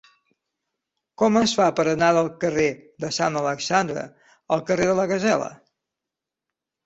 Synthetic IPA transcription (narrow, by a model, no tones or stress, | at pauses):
kɔməsfapəɾənaðəlˠkəreðəsanələksand̪ɾə̰ | əlˠkəreðələɣəzɛlə̰